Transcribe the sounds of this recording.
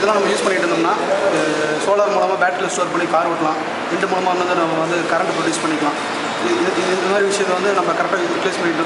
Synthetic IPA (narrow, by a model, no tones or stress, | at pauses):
ɪðɐlãːnɐmːɐjuːspɐɳːɪʈːɯnd̪ɾnːaː | soːlɐɾmuːɭɐmaːbaːʈːɐlɪsʈoɐɾpɐɳːikaːɾʋɐʈːɐlãː | ɛnd̪ɐmuːɭɐmaːnɐnd̪ɯnɐmːɐʋɐnd̪ɯkɐɾɐɳʈːɯpɾɔɖjuːspɐɳːɪkːɐlãː | ɪnd̪ɐmaːɾiʋɪʂɐjɐt̪ːɐʋɐnd̪ɯnɐmːɐkɐɾɛk̚ʈːaːɾɪpleːspɐɳːɪʈː